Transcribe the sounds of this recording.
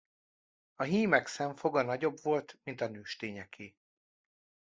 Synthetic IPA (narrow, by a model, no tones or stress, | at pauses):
ɒɦiːmɛksɛɱfo̞ɡɒnɒɟo̞bvo̞lt̪mint̪ɒnøːʃt̪eːɲɛkʰiː